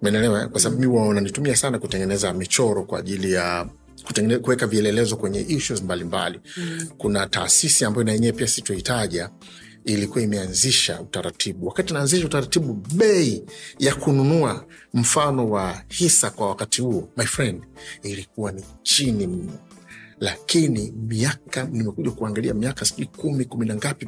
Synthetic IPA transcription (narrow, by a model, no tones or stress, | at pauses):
mɛnɛlɛɔɛ̰kwasaɓaɓumiwananitumiasanakutɛŋɡɛnɛzamit͡ʃɔɾɔkwa̰ːʄilija | ku̥ɛkuwɛkaviɛlɛlɛzɔkwɛɲɛ̰ʔiʃuzmbalimba̰likunata̰ːsisiambajɔnajɛɲɛɛpiasituahitaʄa | ilikuwaimɛanziʃa̰utaɾatʰiɓuwakatiunaːnziʃautaɾatiɓuɓɛijakununua | m̩fanɔwahisakwawakatihuɔmajfɾɛndilik̚uwanit͡ʃinim̩nɔlakinimiakanimɛkuʄakuaŋɡaliamiakasiikumikuminaŋɡapi